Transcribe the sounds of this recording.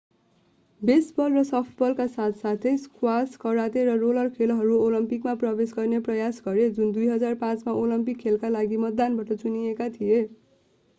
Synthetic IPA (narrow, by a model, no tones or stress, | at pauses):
besbʌlrʌsʌpʰʈbʌlkasat̪ʰsat̪ʰejskwaskʌɾat̪eɾʌrolʌrkʰelɦʌɾuolʌmpikmaprʌbesɡʌrneprʌjasɡʌɾed͡zund̪ujɦʌd͡zarpãt͡smaʔolʌmpikʰːelkalaɡimʌt̪dːanbaʈʌt͡sunijekat̪ʰije